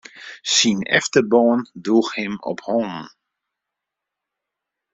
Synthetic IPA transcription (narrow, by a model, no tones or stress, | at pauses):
sinɛ̰ftəbɔːnduːxhɪmɔ̰phɔːnn̩